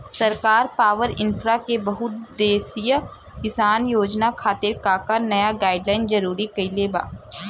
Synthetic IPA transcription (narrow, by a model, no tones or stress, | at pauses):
sɐɾkaːɾpaːʋəɾɪnfʰɾakebɐɦʊt̪d̪eːsij | kɪsaːnjoːd͡ʒnakʰaːt̪ɪɾkaːkənɐjaɡaːɪɖlaːɪnd͡ʒɐɾuːɾikɐileba̰ː